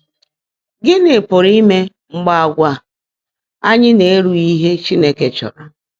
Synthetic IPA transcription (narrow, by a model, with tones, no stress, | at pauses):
ɡɪ˦nɪ˨pʊ˨ɾi˦me˦ | ŋ͡m̩˨ɡ͡ba˨a˨ɡʷa˨ | a˦ɲɪ˦ne˨e˦ɾu˦˨i˦ɦe˦t͡ʃi˦ne˦ke˨t͡ʃɔ̰˨ɾɔ˨